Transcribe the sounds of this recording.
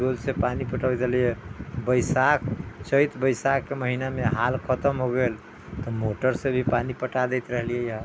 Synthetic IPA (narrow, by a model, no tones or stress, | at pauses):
olsepanipəʈawd͡ʒ̪əlijɛbəjsakʰt͡ʃəjt̪bəjsakːeməɦinameɦalkʰət̪əmɦoɡel | t̪ɔmoʈəɾsebʱipanipəʈad̪ɛjt̪ɾəɦlijɛjəɦə